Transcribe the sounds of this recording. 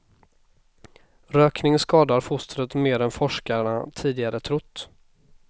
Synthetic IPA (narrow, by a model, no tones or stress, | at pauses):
ɾøːknɪŋskɑːd̪aɾfʊst̪ɾət̪meːɾɛnfɔʂkaəɳat̪ʰiːd̪ɪɡaɾət̪ʰɾʊt̪ː